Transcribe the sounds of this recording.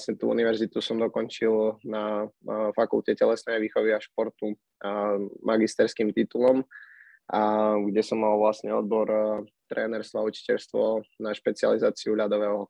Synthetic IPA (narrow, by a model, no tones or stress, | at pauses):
asɲɛt̪ṵːṵniʋɛɾzit̪usɔmd̪ɔkɔnt͡ʃilnafakulcɛcɛlɛsnɛːjʋiːxɔʋiaʃpɔɾt̪u | mʔaɡist̪ɛɾskiːmt̪it̪ulɔm | aɡɟɛsɔmːalʋlasɲɛɔd̪̚bɔɾt̪ɾɛːnɛɾst̪ʋɔaut͡ʃi̥cɛʎst̪ʋɔnaʃpɛt͡sia̰lizaːt͡siuʎad̪ɔʋɛːɦɔ